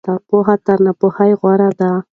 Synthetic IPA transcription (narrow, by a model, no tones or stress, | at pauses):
t̪apoɦat̪aɾnapohajɣwaɾad̪a